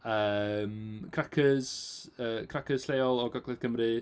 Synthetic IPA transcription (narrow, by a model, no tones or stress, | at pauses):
əːmkʰrakʰəz̥əːkʰrakʰəz̥sleːɔlˠɔɡaɡlˠɛðkʰəmrɨ